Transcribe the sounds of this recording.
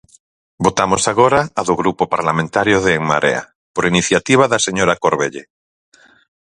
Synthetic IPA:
bot̪amosaɣoɾaːðʊɣɾupopaɾlamẽnt̪aɾjʊðeːŋma̰ɾʔḛa̰ | poɾiniθjat̪iβ̞aðaseɲoɾakoɾβeʎe

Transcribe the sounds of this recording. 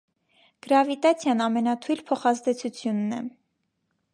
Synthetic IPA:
ɡ̥əɾɑvit̪ɑt͡sʰjɑnɑmɛnɑt̪ʰujlpʰɔχɑzd̪ɛt͡sʰut͡sʰjunːɛ

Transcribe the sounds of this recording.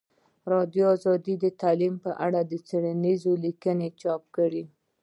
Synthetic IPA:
ɾɑd̪joɑzɑd̪id̪ət̪alimpəʔaɽad̪ət͡seɽanizolikənet͡ʃɑp̚kəɽi

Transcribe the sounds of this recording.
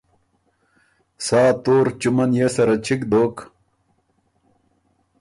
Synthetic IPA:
saːt̪oːɾt͡ɕumɐnjesɐɾɐt͡ɕʰikd̪oːk

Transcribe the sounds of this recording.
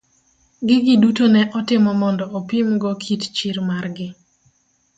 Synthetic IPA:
ɡɪɡɪdutonɛʔɔtɪmɔmɔndɔopimɡɔkʰitt͡ʃɪɾmarɡɪ

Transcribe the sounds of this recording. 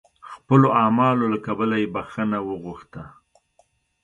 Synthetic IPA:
xpəloɑmɑlolakabəlajebaxənawəɣuxt̪a

